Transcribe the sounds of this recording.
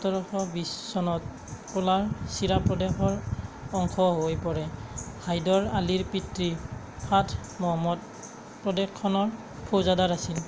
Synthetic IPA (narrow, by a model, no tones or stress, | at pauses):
tɔɹɔxɔbisːɔnɔt̚ | kɔlaɹsiɹapɹɔdɛxɔɹɔŋkʰɔɦojpɔɹɛhʰajdɔɹaliɹpitɹi | pʰatʰmɔmɔt̚ | pɹɔdɛkʰːɔnɔɹ | pʰozadaɹasil